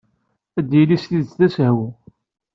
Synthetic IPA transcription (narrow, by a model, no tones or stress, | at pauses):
æd̪jilisliðt͡sθæsɦw